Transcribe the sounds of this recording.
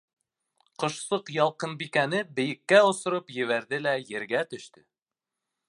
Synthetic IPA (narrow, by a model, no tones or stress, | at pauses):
qŏʃsɤqjɒlˠqɤnbikænɘbɘ̆jɘ̆kːæŏsŏɾɤpjɘ̆βæɾðɘlæjɘ̆ɾɡæt̪ɵ̆ʃt̪ɘ